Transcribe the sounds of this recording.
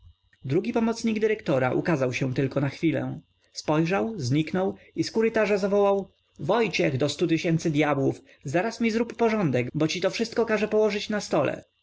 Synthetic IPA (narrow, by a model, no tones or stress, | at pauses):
d̪ɾuɡʲipɔmɔt̪sɲiɡd̪ɘɾɛkt̪ɔɾa̰ʔṵkazawɕɛ̃t̪ɘlkɔnaxfʲilɛ̰̃ | spɔjʐawzɲiknɔw | iskuɾɘt̪aʐazavɔwaw | vɔjt͡ɕɛɣd̪ɔst̪ut̪ɘɕɛnt̪sɘd̪ʲjabwuf | zaɾasmʲizɾupːɔʐɔnd̪ɛɡbɔt͡ɕit̪ɔfʂɘst̪̚kɔkaʐɛpɔwɔʐɘt͡ɕnast̪ɔlɛ̰